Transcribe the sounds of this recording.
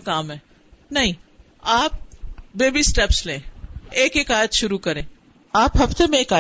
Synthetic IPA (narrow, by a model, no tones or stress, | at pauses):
kaːmɦɛː | nɐɦĩ | aːp̚beːbisʈɛpslẽːeːkekaːjət̪ʃʊɾukɐɾẽː | aːpɦɐft̪emẽeːkaː